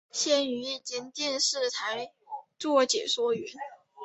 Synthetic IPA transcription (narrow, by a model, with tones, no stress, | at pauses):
ɕjɛ˥˩ny˧˥˨t͡ɕi˧˥ŋt̪jɛ˥˧nʂɻ̩˥˩t̪ʰa˧˥ɪ | t͡swɔ˥˩t͡ɕjɛ̰˨˩ʂwɔ˥ɥɛ˧˥n